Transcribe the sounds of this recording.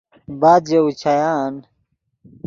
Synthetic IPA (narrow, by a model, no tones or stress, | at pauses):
baːd̪d͡ʑeut͡ɕʰajaːn